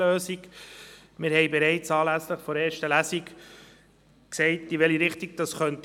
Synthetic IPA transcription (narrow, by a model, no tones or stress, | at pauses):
øːsiɡ | mɪɾhɛɪbɛɾɛɪt͡sɑːlæsləχfɔɾeːɾʃtəlæsik | ksɛɪtɪʋɛliɾɪχtiɡ̚d̥ɑsχœnt